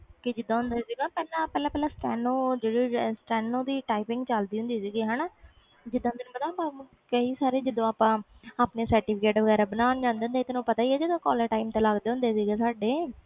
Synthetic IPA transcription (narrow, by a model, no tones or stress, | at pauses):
kɪd͡ʒɪd̪ːãːɦʊnd̪eːsiːɡaːpɛːlãːpɛːlaːpɛːlãːsʈɛːnõːd͡ʒeːɽiːsʈɛːnːõːd̪iːʈaːɪpɪ̃ŋɡt͡ʃəld̪iːɦʊ̃nd̪iːsiːɡiːɦɛːnaː | d͡ʒɪd̪ːãɦnd̪eːñːpət̪ãːpaː | kəiːsaːɾeːd͡ʒɪd̪õːaːpãː | aːpneːsəɾʈiːpʰɪkeːʈʋəɡɛːɾaːbənaːnd͡ʒãːnd̪eːɦnd̪eːt̪enõːpət̪aːiɛːd͡ʒɪd̪õːkɔːləɾʈaːimt̪eːləɡd̪eːɦʊ̃nd̪eːsiːɡeːsaːɖeː